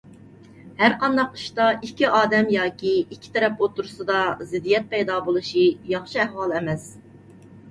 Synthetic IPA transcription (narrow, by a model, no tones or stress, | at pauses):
hæɾqɑnd̪ɑqi̥ʃt̪ɑikʲːiʔɑːd̪ɛmjɑːkʲiikʲʰːi̥t̪ʰɛɾɛpot̪ːuɾusɨd̪ɑzɪd̪ijɛt̪̚pɛjd̪ɑːbolˠuʃijɑχʃiæhwɑlˠɛmɛs